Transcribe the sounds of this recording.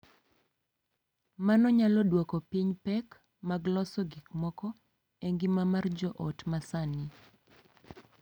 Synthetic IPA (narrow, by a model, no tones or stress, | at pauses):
manɔɲalɔdwɔkɔpiɲpɛk | maɡlɔsɔɡikmɔkɔ | ɛŋɡimamard͡ʒɔʔɔtmasani